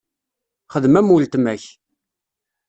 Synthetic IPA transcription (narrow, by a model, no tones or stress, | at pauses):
χəðmæmult̪mæç